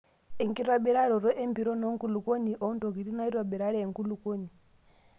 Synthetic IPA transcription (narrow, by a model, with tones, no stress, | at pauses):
ɛ˨ŋki˦ɾwa˦ɓɛ˦ɾa˦ɾɔ˨ɾɔ˦ʔɛ˦mpi˨ɾɔ˦nɔ˦ŋku˦lu˨ko˦ni˨ʔɔ˨˦ntɔ˨ɣi˨ɾi˦na˦i˦ɾwa˨bɛ˨ɾa˦ɾɛː˦˨ŋku˦lu˨ko˦ni˨